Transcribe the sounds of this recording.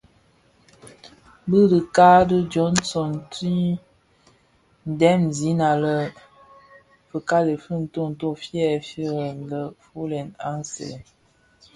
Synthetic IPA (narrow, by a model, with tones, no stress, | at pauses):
bə˦də˨ka˦də˦d͡ʒɔ˨˦nsɔ˨nti˦ | n̩˨dɛ˦mzi˨˦na˨lə˦ | fə˨ka˦le˨fə˦n̩˨˦to˦n̩˨to˦fjɛ˦˨fi˦ɣə˨n˨lə˦fu˦lɛ˨na˦nsɛ̰˨